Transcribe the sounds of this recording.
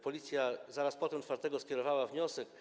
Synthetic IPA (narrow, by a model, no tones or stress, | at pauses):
pɔlʲit̪sʲjazaɾaspɔt̪ɛmtfaɾt̪ɛɡɔskʲɛɾɔvawavɲɔsɛk